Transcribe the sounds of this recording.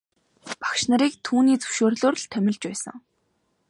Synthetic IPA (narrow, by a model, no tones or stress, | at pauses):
pḁkʃnaɾiːk̚t̪ʰuːniːt͡sɵ̥wʃoːrɮoːrɮt̪ʰæmʲɪ̆ɮt͡ɕpæːsə̰̆ŋ